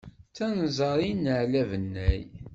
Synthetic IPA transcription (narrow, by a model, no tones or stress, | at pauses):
t͡sːænzˤəɾˤinəʕlævənːæj